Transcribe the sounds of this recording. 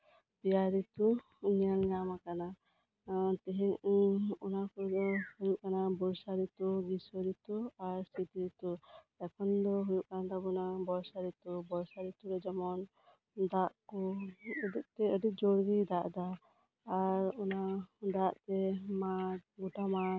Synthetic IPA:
bijaɾit̪u | ɲəlɲamakana | t̪ɛɦɛŋɔnakuɾd̪ɔhujuʔkanabɔɾsaɾit̪uɡisəɾit̪uaɾsit̪iɾit̪u | ɛkʰɔnd̪ɔɦujuʔkanad̪abɔnabɔɾsaɾit̪ubɔɾsaɾit̪uɾɛd͡ʒɔmɔn | d̪aʔkɔəd̪ik̚t̪ɛəɖik̚d͡ʒɔɽɡid̪aʔd̪aː | ɾɔnad̪aʔt̪ɛmaɡuʈama

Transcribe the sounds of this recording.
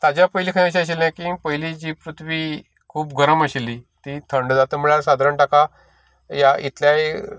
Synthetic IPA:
t̪ad͡ʑjapəjlikʰãəɕiəɕilãkipəjlid͡ʑiːpɾut̪ʰʋiː | kʰuːpɡəɾəməɕilːiːt̪iːt̪ʰəɳɖd͡zat̪əm̤əɭaɾsad̪ɾəɳʈaka | jaḭt̪ljaj

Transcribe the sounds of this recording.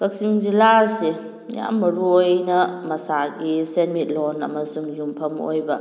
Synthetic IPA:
kɐk̚siŋzilaɾse | ja̰mːɐɾuojnɐmɐsaɡisenmit̚lonɐ̰mɐsuŋjumpʰɐmo̰jbɐ

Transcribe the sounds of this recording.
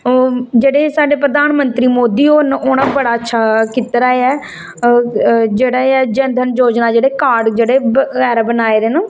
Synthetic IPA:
d͡ʒeːɽeːsaːɖeːpɾəd̪ʱaːnmənt̪ɾiːmoːd̪iːoːnonãːbəɽaːətːʃʰaːkit̪ɾaːeɛː | d͡ʒeːɽaːeɛːd͡ʒənd̪ʱənd͡ʒoːd͡ʒnaːd͡ʒeːɽeːkaːɖd͡ʒeːɽeːəɡɛːɾbənaːeːɾeːnː

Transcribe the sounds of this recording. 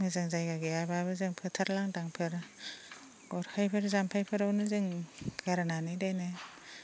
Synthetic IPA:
mɯzaŋzajɡaɡeababɯzɯŋpʰɯtʰaɾlaŋdaŋpʰɯɾ | ɡɔɾhajpʰɯɾzampʰajpʰɯɾawnɯzɯŋɡ̥aɾananɯjdajnɯ

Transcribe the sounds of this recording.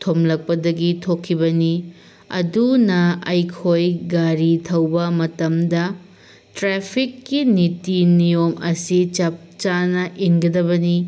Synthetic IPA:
tʰomlɐk̚pɐdɐɡitʰokʰːibɐni | ɐ̰dunɐɐjkʰojɡaɾitʰɐwbɐmɐtɐmdɐ | tɾepʰikːinitinijomɐsit͡ʃɐp̚t͡ʃanɐʔinɡɐdɐbɐni

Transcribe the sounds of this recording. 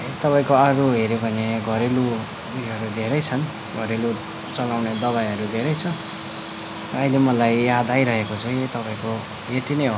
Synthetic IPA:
t̪ʌpaĩkoaɾuɦeɾjebʱʌneɡʱʌɾelu | iʌɾud̪ʱeɾʌjt͡sʰʌn | ɡʱʌɾelu | t͡sʌlawned̪ʌβajʌɾud̪ʱeɾʌjt͡sʰʌ | ilemʌlajjad̪ajɾʌɦekot͡sʰʌĩt̪ʌpaĩko | jet̪inʌj

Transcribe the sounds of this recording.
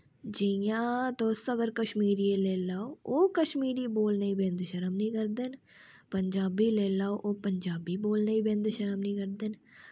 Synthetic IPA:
d͡ʒijãːt̪oːsəɡəɾkəʃmiːɾieleːlaːooːkəʃmiːɾiboːlnəibẽːnd̪ʃəɾəmnĩːkəɾd̪en | pəɲd͡ʒaːbileːlaːoʔopəɲd͡ʒaːbiboːlnəibẽːnd̪ʃəɾəmnĩːkəɾd̪en

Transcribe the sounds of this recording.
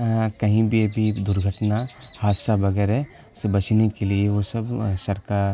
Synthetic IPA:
kɐɦĩbʱiɐbʱid̪ʊɾɡʱəʈnahaːd̪sabɐɡɛːɾɦɛ | sebɐt͡ʃʰnekelieʋosɐbsɐɾkaːɾ

